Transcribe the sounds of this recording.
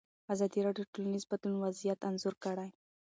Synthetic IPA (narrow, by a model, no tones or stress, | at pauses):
azɑd̪iɾɑɖjoʈolanizbad̪lunwazijat̪anzʊɾkəɽaj